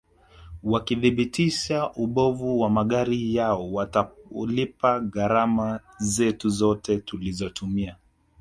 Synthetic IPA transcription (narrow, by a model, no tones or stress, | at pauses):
wakiðiɓitiʃaʔuɓɔvuwamaɠaɾijaɔwatalipaɣaɾamazɛtuzɔtʰɛtulizɔtumia